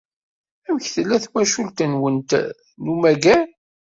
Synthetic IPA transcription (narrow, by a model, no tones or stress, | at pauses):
æmçθəlːæθwæʃult̪ənwənt̪ | numæɡæn